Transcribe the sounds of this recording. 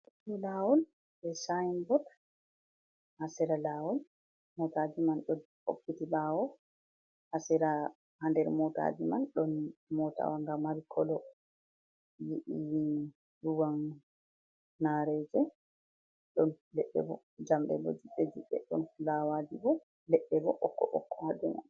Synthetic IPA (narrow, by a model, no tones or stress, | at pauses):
ɗɔlaːwɔl | bɛsajinbɔt | hasɛɾalaːwɔl | mɔtad͡ʒimanɗɔ | o̰kːitilawɔ | hasɛɾa | handɛɾmɔta̰d͡ʒimanɗɔnmɔta̰waŋɡamaɾikʰɔlɔ | jiʔijin | ɗuwan | aɾɛd͡ʒɛ | ɗɔn | lɛɗːɛ̰bɔ̰ | d͡ʒamɗɛ̰bɔ̰d͡ʒiɓːɛd͡ʒiɓːɛ̰ɗɔnlawad͡ʒibɔ | lɛɗːɛbɔʔɔkːɔʔɔ̰kʰːɔhadɛma̰n